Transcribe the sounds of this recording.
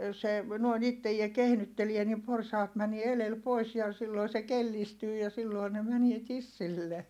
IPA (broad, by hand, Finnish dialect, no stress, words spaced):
se noin itːejie kehnytːelie nim porsɑːt mænie elel pois jɑ silːoi se kelːistyː jɑ silːoi ne mænie tisːilːe